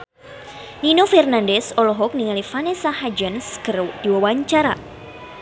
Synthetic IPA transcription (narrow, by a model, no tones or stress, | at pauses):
ninofɛrnandɛsɔlɔɦɔk̚niŋalifanesaɦad͡ʒənskərd̥iwawaɲt͡ʃaɾa